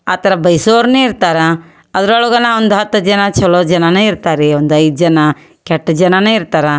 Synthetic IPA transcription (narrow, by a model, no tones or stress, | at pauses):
aːt̪ɐɾɐbɐjsoːɾneiɾt̪aːɾɐ | ɐd̪ɐɾɐɭuɡɐnɐond̪uɦɐt̪ːɐd͡ʒɐnɐt͡ʃɔloːd͡ʒɐnɐneiɾt̪aːɾeond̪uɐjd̪̚d͡ʒɐnɐ | kɛʈːɐd͡ʒɐnɐneiɾt̪aːɾɐ